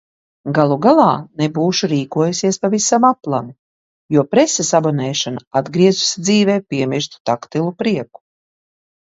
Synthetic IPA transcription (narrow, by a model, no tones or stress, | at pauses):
ɡalˠuɡalˠɑːnebuːʃuɾiːkuɔjusiɛspavisamaplˠamu | juɔpɾɛsesabɔnɛːʃanaad̪ɡɾiɛzusid̪ziːvɛːpiɛmiʃt̪t̪akt̪ilˠupɾiɛku̥